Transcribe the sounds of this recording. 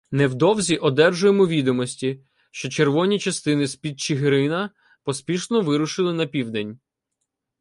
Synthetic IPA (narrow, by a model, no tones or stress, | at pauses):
nɛwd̪ɔwzʲiʔɔd̪ɛrʒʊjemɔʋʲid̪ɔmɔsʲtʲi | ʃt͡ʃɔt͡ʃerʋɔnʲit͡ʃɐst̪ɪnɪsʲpʲid̪̚t͡ʃɪɦɾɪnɐ | pɔspʲiʃnɔʋɪɾʊʃɪlˠɪnɐpʲiwd̪ɛnʲ